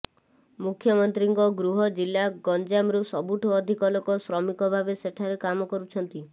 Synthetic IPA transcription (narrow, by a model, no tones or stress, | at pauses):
mukʰːjɔmɔnt̪ɾiŋkɔɡɾuɦɔd͡ʒilːaɡɔnd͡ʒamɾusɔbuʈʰɔːd̪ʱikɔlokɔsɾɔmikɔbʱabeseʈʰaɾekamɔkɔɾut͡ʃʰɔnt̪i